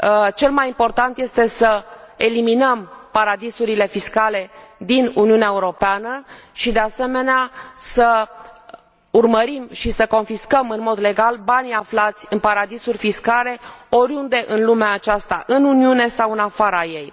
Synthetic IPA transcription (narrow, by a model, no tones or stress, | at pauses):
t͡ʃe̞lmajimpo̞rt̪ant̪je̞st̪e̞səe̞liminəmpaɾad̪isuɾile̞fiskale̞d̪inuniuneaeuɾo̞peanəʃid̪e̞ase̞me̞neasə | urməɾimʃisəko̞nfiskəmɨnmo̞d̪le̞ɡalbaniaflat̪sʲɨnpaɾad̪isurʲfiskale̞o̞ɾjund̪e̞ʔɨnlumeaːt͡ʃast̪aʔɨnuniune̞sawɨnafaɾaje̞j